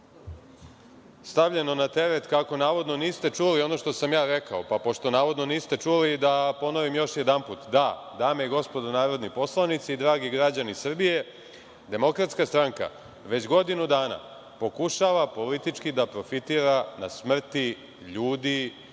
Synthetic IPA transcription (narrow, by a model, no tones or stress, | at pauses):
st̪aʋʎeno̞nat̪e̞ɾet̪kako̞naːʋo̞d̪no̞niːst̪e̞t͡ʂulio̞no̞ʃt̪o̞samjaːɾe̞kao̞papo̞ʃt̪o̞naːʋo̞d̪no̞niːst̪e̞t͡ʂulid̪apo̞noʋimjo̞ʃje̞d̪anput̪d̪a | d̪aːmeɡo̞spo̞d̪onaːɾo̞d̪nipo̞slˠanit̪siːd̪ɾaːɡiɡɾad͡ʑanisr̩bije̞ | d̪e̞mo̞kɾat̪skast̪ɾaŋka̰ | ʋe̞t͡ɕɡo̞d̪inud̪aːna̰ | po̞kuʃaʋapo̞lit̪it͡ʃkid̪apɾo̞fit̪iːɾanasmr̩t̪i | ʎuːd̪i